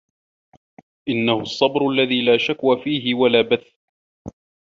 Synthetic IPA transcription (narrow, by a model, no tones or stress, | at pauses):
ʔɪnːahʊsˤːɑbɾʊʔalːaðiːlaːʃakwaːfiːɦɪwalaːbaθ